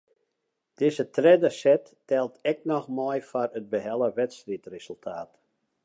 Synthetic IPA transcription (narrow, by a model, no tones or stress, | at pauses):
d̥ɪzətrɛdəsɛtːɛlˠtɛk̚nɔxmɔjfarət̚bəɦɛlˠəʋɛtstritrez̥əlˠtʰaːt